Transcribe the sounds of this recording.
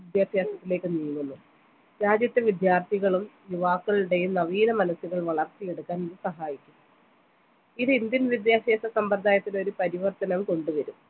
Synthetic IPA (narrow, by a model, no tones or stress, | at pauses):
id̪jaːɕjaːsɐt̪ːile̞ːkːɨnijŋːunːu | ɾaːd͡ʑjɐt̪ːɨʋid̪jaːrt̪ʰiɣɐɭumjuʋaːkːɐɭuɽe̞jumnɐʋiːnɐmɐnɐsuɣɐɭʋɐɭɐrt̪ːijeɽukːaːnðɨsɐɦaːjikʲːumː | iðɨind̪jɐnʋid̪jaːɕjeːsɐsɐmbɐrd̪ʱaːjɐt̪ːino̞ɾupɐɾiʋɐrt̪ɐnɐmko̞ɳɖuʋɐɾum